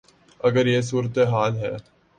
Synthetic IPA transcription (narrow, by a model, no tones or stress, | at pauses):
ɐɡəɾjes̬uːɾət̪eɦaːlɦɛ̰ː